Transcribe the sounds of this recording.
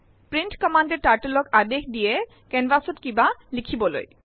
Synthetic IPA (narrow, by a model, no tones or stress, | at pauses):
pɾiɳʈkɔmaɳɖeɾʈaɾʈolokad̪ekʰd̪ije | kɛnʋasoʈkibalikʰibolo̰j